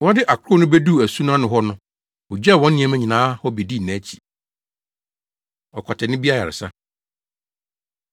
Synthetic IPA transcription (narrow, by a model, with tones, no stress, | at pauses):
wɔ̃˦dɪ˦ʔa˨kʰʊ˦ɾʊ˦nʊ̃˦be˦du˦˨æ˨su˦ñ˦ã˦nʊ̃˨ɦɔ˦nʊ̃˦ | ʊ˨d͡ʑɛ˦˨wɔ̃˦n˦nɪ̃˦ɛ˦mæ̃˦ɲĩ˨nãː˦hɔ˦be˨di˦˨næ̃ː˨˦t͡ɕʰi̥˨ | ɔ˨kʰɔ˨tʰɛ˨nɪ̃˦bi˦a˦ja˨ɾɪ̰˨sa˦